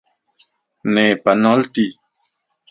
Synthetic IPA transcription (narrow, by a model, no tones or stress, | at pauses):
nẽpanɔ̃lt̪i